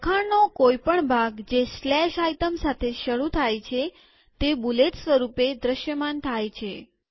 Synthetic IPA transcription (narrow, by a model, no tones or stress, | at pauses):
kʰaɳnokojpəɳbʱaɡd͡ʒeslɛʃajt̪əmsat̪ʰeʃəɽut̪ʰajt͡ʃʰe | t̪ebulet̪sʋəɾuped̪ɾəʃjəmant̪ʰajt͡ʃʰe